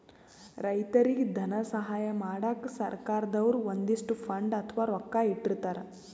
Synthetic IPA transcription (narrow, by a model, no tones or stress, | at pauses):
ɾɐjt̪ɐɾiɡd̪ʱɐnɐsɐɦaːjɐmaːɽaksɐ̰ɾkaːɾɐd̪ɐʋɐɾuond̪iʂʈupʰɐɳɖɐt̪ʰɐʋaːɾɔkːaːiʈːiɾt̪ːaːɾe